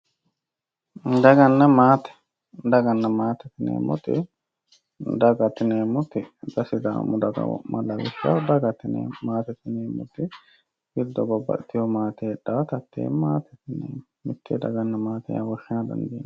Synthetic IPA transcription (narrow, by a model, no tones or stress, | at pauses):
d̪ɐɡɐnːɐmaːt̪ɛ̥ | d̪ɐɡɐnːɐmaːt̪ɛt̪ɪnḛːmʊt̪ːɪ̰ | d̪ɐɡɐt̪ːɪneːmʊt̪ːɪd̪ɐsɪd̪a̰ːmʊd̪ɐɡɐ̰mɐlːɐwɪʃɐ̰d̪ɐɡɐt̪ɪnḛmaːt̪ɛt̪ːɪneːmːʊ̰t̪ːɪ | bɪld̪ɔbɔbːɐ̰ʔt̪ʰːɪjɔmaːt̪ɛɛᶑːaːt̪ɐt̪ːḛːmaːt̪ɛt̪ɪnḛːm | mɪt̪ʰːɛd̪ɐ̰ɡɐnːɐmaːt̪ɛ̰jɐ̰wɔʃːɪnɐd̪ɐ̰nd̪iːn